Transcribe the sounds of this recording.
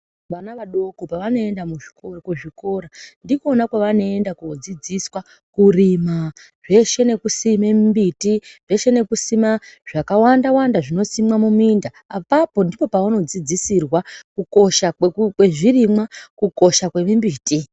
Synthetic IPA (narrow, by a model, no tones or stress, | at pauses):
ʋanaʋaɗo̞kopaʋano̞e̞ndamuʐikokuʐiko̞ɾandikonakwaʋano̞endakud͡zid͡ziswa | kurima | ʐe̞ʃe̞ne̞kusimemimbitiʐe̞ʃe̞ne̞kusimaʐ̥akawandawandaʐino̞simwamumindaːpapo̞ndipo̞pauno̞d͡zid͡zisirwakuko̞ʃaekwe̞ʐirimwakuko̞ʃakwe̞mimbiːti